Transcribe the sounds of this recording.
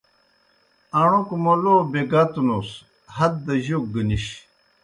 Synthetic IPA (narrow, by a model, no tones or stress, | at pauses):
ɐɳ̃okumolobeɡat̪unos | hɐd̪̚d̪ɐʑok̚ɡəniɕ